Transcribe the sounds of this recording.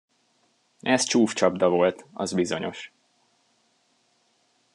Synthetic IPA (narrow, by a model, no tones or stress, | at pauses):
ɛzt͡ʃuːft͡ʃɒbd̪ɒvo̞lt̪ɒ̰zbizo̞ɲo̞̰ʃ